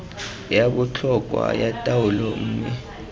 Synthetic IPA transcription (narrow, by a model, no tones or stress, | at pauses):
jaɓut͡ɬʰɔk̬ʼwa̰jatʼawulɔm̩ːmɛ